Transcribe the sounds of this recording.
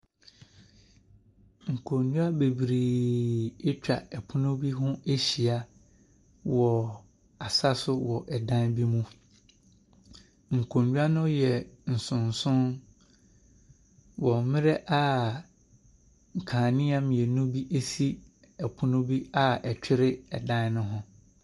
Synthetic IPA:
ŋ̩˨kʰõ˨ɲɲu˦a˦be˨bɾi˨ | ɪ˦t͡ɕᶣa̰˨ɛ˨pʰʊ˦nʊ̃˦bi˦ɦʊ̃˦e˦ɕi˨a˨ | wɔ˨ | a˨sa˦sʊ˦wɔ˨ʔɛ˨dã˦nbi˦mũ˦ | ŋ̩˨kʰõ˨ɲɲᶣu˦a˦nʊ̃˦jɛ˨n̩˨sʊ̃˨n̩˨sʊ̃˦n | wɔ˨mɪ̃˦ɾɛ˦ʔa˦ | ŋ̩˨kʰãː˨nɪ̃˦a˦m̃˨jɛ˨nũ˦bi˦ʔe˦si˦ | ɛ˨pʰʊ˦nʊ̃˦bi˦a˦ɛ˨t͡ɕᶣɪ˦ɾɪ˦ɛ˨dã˦n˦nʊ̃˦ɦʊ̃˦

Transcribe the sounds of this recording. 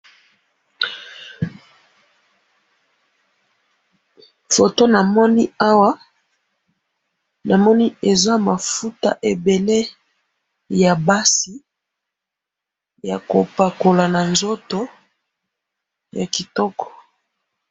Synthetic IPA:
fo˨to˦na˨mɔ˦ni˦a˦wa˦ | na˨mɔ˦ni˦e˨za˦ma˨fu˦ta̰˦ʔe˨be˨le˦ | ja˨ba˦si˨˦ | ja̰˨ko˨pa˨ko˨la˨na˨nzo˦to˦ | ja˨ki˨tɔ˦kɔ̥˨

